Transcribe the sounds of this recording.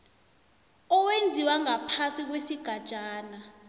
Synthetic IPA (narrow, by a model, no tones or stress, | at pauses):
ɔwend͡zʱiwaŋapʰasik̬wesiɡ̥ʱad̥ʒ̥ʱaːna